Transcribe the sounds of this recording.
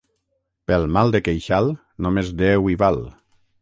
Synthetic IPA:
pelˠmalˠd̪ekejʃalˠ | nomezd̪ewiβal

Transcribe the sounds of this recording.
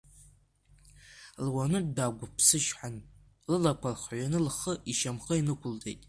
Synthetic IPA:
lwanɨdaɡʷʊpʰsɨʃħan | lɨlakʷʰarχɥanɨlχəiʃamχainɨkʷʰʊlde̞jtʼ

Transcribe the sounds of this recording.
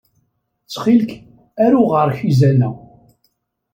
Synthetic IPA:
t͡sːχilk | æɾuʁəɾˤçizænæ

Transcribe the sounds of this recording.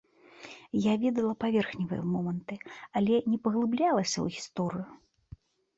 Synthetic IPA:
javʲɛd̪ɐlˠɐpavʲɛrxnʲivɨ̰jɛ̰mɔmɐnt̪ɨɐlʲɛnʲɛpɐɣlˠɨblʲalˠɐsʲɐ̰ṵɣʲist̪ɔɾɨju

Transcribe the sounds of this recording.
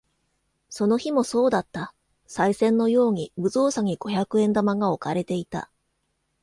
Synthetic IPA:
so̞no̞çimo̞so̞ːd̪at̪ːa | saisẽ̞nːo̞jo̞ːɲ̟ibɯ̟zo̞ːsaɲ̟iɡ̥o̞çakɯ̟ẽ̞nd̪amaɡao̞kaɾe̞t̪e̞it̪a̰

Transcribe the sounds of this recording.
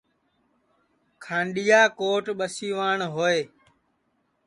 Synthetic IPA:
kʰãːɳɗijaːkoːʈɓəsiːʋaːɳɦoːeː

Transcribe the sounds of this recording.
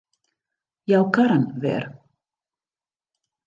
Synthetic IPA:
jawkaɾənʋɛ̰r

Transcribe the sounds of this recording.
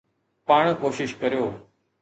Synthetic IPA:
paːɽ̃koːʃɪʃkəɾijoː

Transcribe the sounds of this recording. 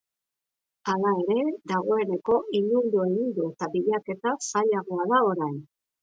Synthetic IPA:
alae̞ɾe̞ðaɣo̞e̞ne̞ko̞ʔiʎund̪ue̞ɣind̪uet̪abiʎake̞t̪asaʎaɣoaðao̞ɾajn

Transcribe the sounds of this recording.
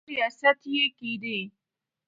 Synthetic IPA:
ijasɐt̪ijekid̪e

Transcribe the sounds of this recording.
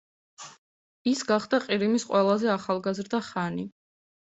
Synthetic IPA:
isɡaχd̪aqʼiɾimisqʼwɛlˠazɛaχalˠɡazɾd̪aχani

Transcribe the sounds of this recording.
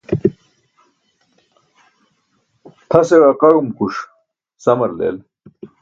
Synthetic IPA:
t̪ʰɐsewaqɐɻumkuʂ | sɐmɐɾlḛːl

